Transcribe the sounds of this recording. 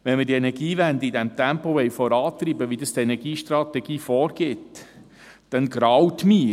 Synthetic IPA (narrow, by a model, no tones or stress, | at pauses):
ʋɛnməɾd̥iɛnɛɾɡ̥iːʋænd̪iidɛmt̪æmpoʋɛjfɔɾɑːt̪ɾibəʋidəst̪ɛnɛɾɡiːʃtɾɑt̪ɛɡiːfɔːɾɡ̥ɪt | d̥ɛnɡɾɑwt̪miː